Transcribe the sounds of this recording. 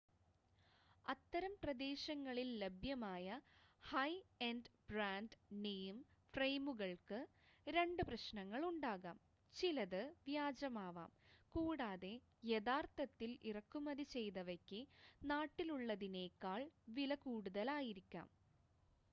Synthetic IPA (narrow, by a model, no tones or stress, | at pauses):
ɐt̪ːɐɾɐmprɐd̪e̞ːɕɐŋːɐɭillebʱjɐmaːjɐhɐjenɖb̥raːnɖnejmfrejmuɣɐɭkɨ | ɾe̞ɳɖɨprɐɕnɐŋːɐɭuɳɖaːɣa̰ːm | t͡ɕilɐðɨʋjaːd͡ʑɐmaːʋa̰ːmkuːɽaːðe̞ | jeðaːrt̪ɐt̪ːilʔirɐkːumɐðit͡ɕe̞jðɐʋɐkʲːɨnaːʈːiluɭːɐðineːkːaːɭʋilɐkuːɽuðɐlaːjiɾikʲːa̰ːm